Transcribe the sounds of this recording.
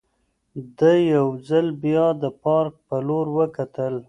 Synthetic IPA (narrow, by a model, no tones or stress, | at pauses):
d̪əjawzalbjɑd̪əpɑɾk̚pəloɾwəkat̪əl